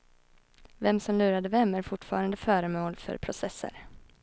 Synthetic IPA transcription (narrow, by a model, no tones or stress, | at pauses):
vɛmsɔmlʉ̟ːɾad̪əvɛmːæɾfʊʈːfɑ̰ːɾand̪əfœːɾəmoːlfœ̰ɾpʰɾʊsɛsːə̰ɾ